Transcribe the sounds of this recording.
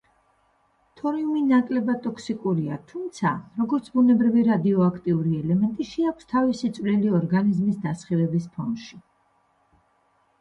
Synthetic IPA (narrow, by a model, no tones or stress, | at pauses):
t̪ʰɔɾiuminakʼlɛbad̪̚t̪ʼɔkʰsikʼuɾia̰t̪ʰumt̪sʰaɾɔɡɔɾt̪sʰbunɛbɾiviɾad̪iɔakʰt̪ʼiuɾiɛlɛmɛnt̪ʼiʃɛakʷʰst̪ʰavisit̪sʼvlɛliɔɾɡanizmisd̪asχilɛbispʰɔ̰nʃi